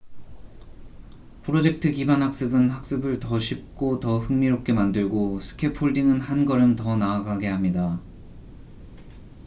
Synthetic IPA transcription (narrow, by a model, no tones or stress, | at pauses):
pʰɯɾod͡ʑe̞k̚tʰɯkibanɦak̚s͈ɯbɯnhak̚s͈ɯbɯɭtʌɕʰip̚k͈otʌhɯŋmiɾop̚k͈e̞mandɯɭɡosʰɯ̥kʰe̞pʰoɭdiŋɯnhanɡʌɾɯmtʌnaːɡaɡe̞ɦamɲida